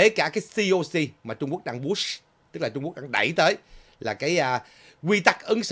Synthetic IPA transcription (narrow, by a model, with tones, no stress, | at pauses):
e˨˦kaː˧˩kaː˨˦jsi˧ʔo˧si˧maː˨˩t͡ɕʊ˧ŋ͡mku˦˥ək̚ɗaː˧ŋɓu˦˥s | t̪ɨ˦˥k̚la˨˩ʊ˧ŋ͡mkk̚ɗaː˧ŋɗa˧˩jt̪əː˨˦j | laː˨˩kaː˨˦jʔ | ɣwi˧t̪a˦˥k̚ʔə˨˦ŋs